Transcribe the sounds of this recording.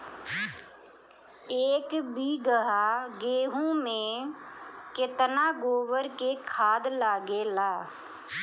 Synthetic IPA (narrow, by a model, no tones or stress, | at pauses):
eːkbiːɡəɦaɡeːɦũmẽ | kɪt̪naɡoːwəɾkekʰaːd̪laːɡelaː